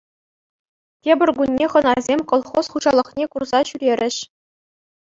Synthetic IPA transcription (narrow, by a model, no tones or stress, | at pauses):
tʲebʲɘ̆rʲɡunʲːeχɤ̆nɑzʲemʲkolˠχosχuʑɑlˠɤ̆χnʲekurzɑɕyɾʲeɾʲɘ̆ɕ